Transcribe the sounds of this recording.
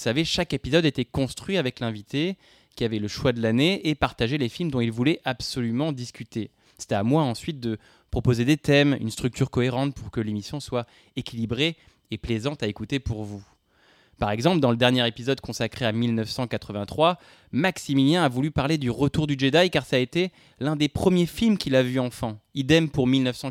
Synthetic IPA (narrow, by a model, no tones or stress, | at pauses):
saveʃakepizɔd̪et̪ɛkɔ̃st̪χɥiavɛklɛ̃vit̪e | kʲiavɛləʃwad̪əlaneepaʁt̪aʒelefilmd̪ɔ̃ilvulɛʔabsɔlymɑ̃d̪iskʲyt̪e | se̥t̪ɛamwaɑ̃sɥit̪̚d̪ə | pχɔpozed̪et̪ɛmy̰nst̪χyk̚t̪yʁkɔeʁɑ̃t̪puʁkəlemisjɔ̃swa | ekʲʰilibʁeː | plezɑ̃t̪aekut̪epuʁvu | paʁɛɡzɑ̃pld̪ɑ̃ləd̪ɛʁnjɛʁepizɔd̪kɔ̃sakχeamilnœfsɑ̃kat̪χəvɛ̃t̪χwa | maksimiljɛ̃avulypaʁled̪yʁət̪uʁd̪yd͡ʒed̪ajkaʁsaet̪e | lɛ̃d̪epχəmjefilmkʲilavyɑ̃fɑ̃id̪ɛmpuʁmilnœfsɑ̃